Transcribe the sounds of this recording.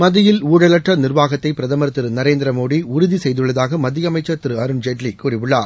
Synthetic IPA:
mɐðɪjɪluːɽɐlɐʈrɐnɪrʋaːɣɐt̪ːɐɪpɪɾɐðɐmɐɾt̪ːɪɾɯnɐɾeːnd̪ɾɐmoːɽiʊɾʊðisɛjðɯɭːɐðaːɣɐmɐd̪ːɪjɐmɐɪt͡ʃːɐt̪ːɪɾɯɐɾɯnd͡ʒeʈlikuːɾɪʋɯɭːaːɾ

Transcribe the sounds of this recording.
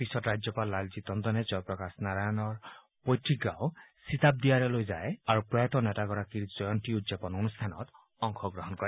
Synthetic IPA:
pisɔtɾad͡ʒjɔpalːalzit̪ɔnd̪ɔned͡ʒɔjpɹɔkasnaɾajɔnɔɹ | pojt̪ɾiɡːawsit̪ab̚d̪iaɾelojzaeaɹupɾɔjɔt̪ɔnɛtaɡɔɾakiɹd͡ʒɔjɔntiut̪zepɔnonust̪ʰanɔ̰t̪ | ɔŋkʰɔɡɾɔɦɔnkɔɾe

